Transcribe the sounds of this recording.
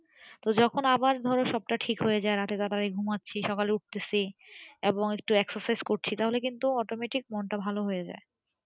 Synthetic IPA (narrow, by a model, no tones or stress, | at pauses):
t̪od͡ʑɔkʰonabaɾd̪ʱɔɾonʃɔb̚ʈaʈʰikɦoed͡ʑaeɾat̪et̪aɾaɾiɡʱumatːɕʰiʃɔkaleuʈ̚t̪esieboŋek̚ʈueksaɾsajzkoʈt͡ɕʰit̪aɦolekint̪uɔʈomeʈik̚mɔnʈabʱaloɦojed͡ʑa̰e